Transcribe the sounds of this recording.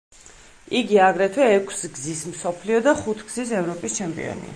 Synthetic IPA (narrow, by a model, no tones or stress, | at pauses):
iɡiaɡɾɛt̪ʰwɛːkʰsɡzismsɔpʰliɔd̪aχut̪ʰɡz̥isɛvɾɔpʼist͡ʃʰɛmpʼḭɔ̰nḭa̰